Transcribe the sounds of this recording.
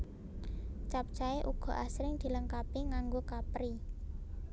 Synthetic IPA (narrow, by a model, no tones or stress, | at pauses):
t͡ʃap̚t͡ʃaeʔuɡ̥ɔ̤ʔasɾɪŋd̪̥i̤ləŋkapiŋaŋɡokapɾi